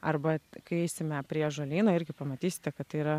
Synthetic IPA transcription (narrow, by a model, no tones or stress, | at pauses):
ɐɾbɐkɐɪɛɪsʲɪmʲɛpʲɾʲiɛʒɐlʲiːnoːɪɾʲɡʲɪpɐmɐt̪ʲiːsʲɪ̥t̪ʲɛkɐt̪t̪ɐɪiɾɐ